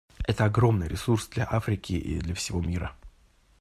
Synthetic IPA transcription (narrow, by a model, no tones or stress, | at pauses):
ɛt̪əɐɡɾo̞mnɨjɾʲɪsursd̪lʲɐʔafɾʲɪkʲɪʔḭd̪lʲɐfsʲɪvo̞mʲiɾə